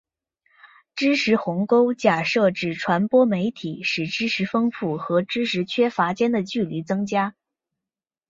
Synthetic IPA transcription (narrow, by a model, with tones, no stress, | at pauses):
ʈ͡ʂɻ̩˥ʂɻ̩˧˥xʊ˧˥ŋko˥ʊt͡ɕja˥˩ʂɤ˥˧ʈ͡ʂɻ̩˥˩ʈ͡ʂʰwa˧˥npwɔ˥me˧˥ɪt̪ʰi˨˩˦ʂɻ̩˨˩ʈ͡ʂɻ̩˥ʂʰɻ̩˧˥fɤ˥ŋfu˥˩xɤ˧˥ʈ͡ʂɻ̩˥ʂɻ̩˧˥t͡ɕʰɥɛ˥fa˧˥t͡ɕjɛ˥nd̪ə˨t͡ɕy˥˩li˧˥t͡sɤ˥ŋt͡ɕja˥